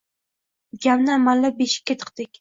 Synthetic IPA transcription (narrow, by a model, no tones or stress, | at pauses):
ɡʲamnɪamalːabeʃɪ̥kʲːat̪ʰɨ̥qt̪ɪkʲ